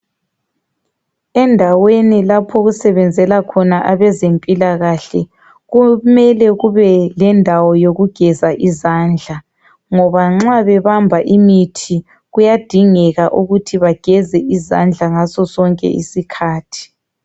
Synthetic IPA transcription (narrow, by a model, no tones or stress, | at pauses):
ɛndʱawenilapʰɔɣusɛβɛnd͡zʱɛlakʰɔnaʔaβɛzempʼilaɣaɬɛ | ɣumɛlɛɣuβɛlɛndʱawɔjoɣuɡ̥ʱɛzaʔizaːnd͡ɮʱa | ŋɔβaŋ͡ǁaβɛβambʱaʔimitʰi | ɣujad̥ʱiŋɛɣaʔuɣutʰiβaɡ̥ʱɛzɛʔiza̰nd͡ɮʱaŋasɔsɔŋkʼɛ̰ʔḭsikʰaːtʰi̥